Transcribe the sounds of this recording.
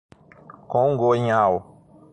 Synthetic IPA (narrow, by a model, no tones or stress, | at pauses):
kõŋɡoɲaw